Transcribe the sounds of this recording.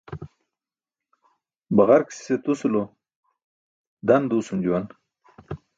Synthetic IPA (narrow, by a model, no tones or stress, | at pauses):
baɣaɾki̥si̥set̪usulo | d̪and̪uusumd͡ʒuwan